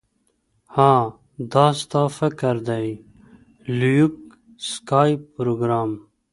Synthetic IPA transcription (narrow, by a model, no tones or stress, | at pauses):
hãː | d̪ɑːst̪ɑfəkəɾd̪aj | lujuk | skaːjpːɾoɡɾaːm